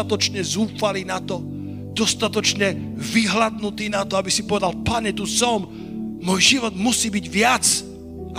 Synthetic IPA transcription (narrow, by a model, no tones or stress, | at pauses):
at̪ɔt͡ʃɲɛzuːfaliːnat̪ɔ | d̪̥ɔst̪at̪ɔt͡ʃɲɛviɦlad̪nut̪iːnat̪ɔabisipɔʋɛd̪alpaɲɛt̪usɔm | mɔːjʒiʋɔd̪musiːbiɟʋɪat͡s | ʔa